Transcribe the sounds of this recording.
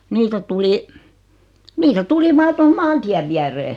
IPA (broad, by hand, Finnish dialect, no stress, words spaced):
niːtæ tuli nitæ tuli ʋɑː toho mɑːntiæʋ ʋiæreː